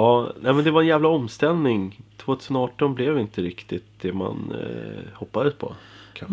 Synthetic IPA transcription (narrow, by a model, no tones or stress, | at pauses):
ɑːnæɪmɛnd̪ɛvaɾɛnjæːvlaɔmst̪ɛlnɪŋt̪ʰvoːt̪ʰʉsənɑːʈɔnblɛvɪnt̪əɾɪkt̪ɪt̪̚d̪̥ɛma̰n | hɔpːad̪əspʰɔ̰kʰa